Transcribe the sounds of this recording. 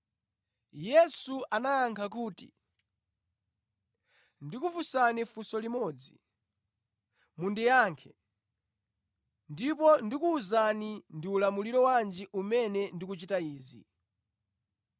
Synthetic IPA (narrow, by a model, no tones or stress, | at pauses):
jɛsuanajaŋkʰak̬uːtḭ | ndikufusanifusɔlimɔd͡zi | mundɛjaːŋkʰɛ | ndip̬ɔndikuːzanindiulamuliɾɔwand͡ʒiʔumɛnɛndikut͡ʃitaiːzḭ